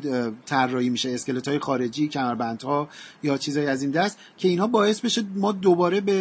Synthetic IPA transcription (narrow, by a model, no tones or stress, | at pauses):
t̪ʰærːɒːhiːmiːʃeːsce̞let̪hɒːje̞xɒːɾe̞d͡ʒiːcʰæmæɾbænd̪̥hɒːjɒːt͡ʃʰiːzɒːjiæzind̪æst̪ | cʰe̞iːnhɒːbɒːje̞sbe̞ʃemɒːd̪obɒːɾe̞be